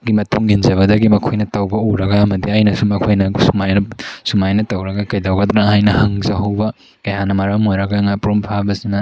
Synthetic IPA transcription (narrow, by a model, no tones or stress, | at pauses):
ɡimɐtuŋinzɐβɐdɐɡimɐkʰojnɐtɐwbɐuɾɐɡaːmɐdiajnɐsumɐkʰojnɐsumajnɐsumajnɐtɐwɾɐɡɐkɐjdawɡɐd̪ɾaŋhajnɐhɐŋzɐɦɐwbɐ | kɐjanɐmɐɾamojɾɐɡaŋapuɾumpʰabɐsinɐ